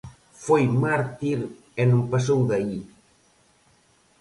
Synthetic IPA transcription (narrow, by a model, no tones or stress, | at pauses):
fojmaɾt̪iɾ | enõmpas̬owðai